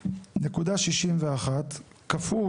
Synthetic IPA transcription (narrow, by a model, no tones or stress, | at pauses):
ne̞kudaʃiʃimveaχat̪ | kafu